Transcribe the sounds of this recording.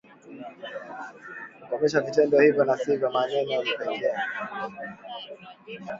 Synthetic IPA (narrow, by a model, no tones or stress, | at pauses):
kukɔmɛʃ̬avitɛndɔhivjɔnasivjɔmaɲɛɲɛvitaiŋɡɛa